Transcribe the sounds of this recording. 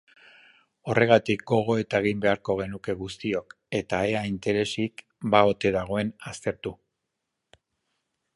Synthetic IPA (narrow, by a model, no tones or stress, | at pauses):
o̞rʔe̞ɣ̞at̪ik̚ɡo̞ɣ̞o̞e̞t̪aeɣimbe̞aɾko̞ɣ̞e̞nuke̞ɣust̪io̞k | e̞t̪aeaint̪e̞ɾe̞sik | bao̞t̪e̞ðaɣ̞o̞e̞nast̪e̞ɾt̪u